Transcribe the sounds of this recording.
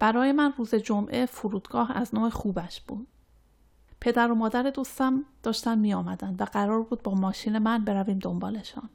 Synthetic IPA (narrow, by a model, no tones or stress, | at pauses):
b̥æɾɒːje̞mænruːze̞d͡ʒo̞mʔe̞foɾuːd̪ɡɒːhæ̰znoːexuːbæʃb̥ud̪̥ | pʰe̞d̪æɾo̞mɒːd̪æɾed̪ust̪æmd̪̥ɒːʃt̪ænmiːjɒːmæd̪ænd̪væɢæɾɒːɾbuːd̪̚bɒːmɒːʃiːne̞mænbe̞ɾæviːmd̪o̞mbɒːle̞ʃɔ̰n